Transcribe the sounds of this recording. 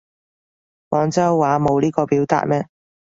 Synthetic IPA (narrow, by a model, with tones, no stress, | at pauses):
mɔː˨˧ŋt͡sɐ˥wːaː˨˧˥mo˨˧wliː˥kɔː˧piː˨˥wt̪a̰ː˧t̚mɛː˥